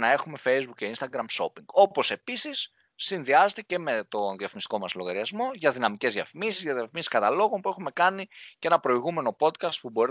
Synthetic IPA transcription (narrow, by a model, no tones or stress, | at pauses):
nɐe̞xume̞fe̞jzbukce̞inst̪ɐɡɾɐmso̞piŋɡo̞po̞se̞pisisː | inðiɐzet̪ece̞me̞t̪o̞nðiɐfimist̪iko̞mɐslo̞ɣɐɾiɐzmo̞ʝɐðinɐmice̞zðiɐ̰fimisizʝɐðiɐfimisi̥skɐt̪ɐlo̞ɣo̞npuexume̞kɐnicee̞nɐpɾo̞iɣume̞no̞po̞t̪kɐst̪̚pubo̞ɾi